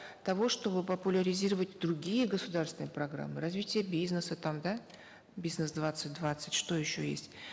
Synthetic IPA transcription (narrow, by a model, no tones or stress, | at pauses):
t̪ɐvo̞ʂt̪o̞bɨpəpʊlʲəɾʲɪzʲiɾəvətʲd̪ɾʊɡʲijəɡəsʊd̪arsvʲɪnɨjəpɾɐɡɾa̰mːɨɾɐzvʲitʲɪjəbʲiznəsət̪amd̪a | bʲiznəsd̪vat̪sɨtʲd̪vat̪sɨtʲʂt̪o̞jɪɕːojḛsʲtʲ